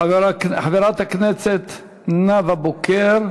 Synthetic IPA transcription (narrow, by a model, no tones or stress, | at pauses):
avɾakħaveɾat̪haknɛset̪ | navabokeɾ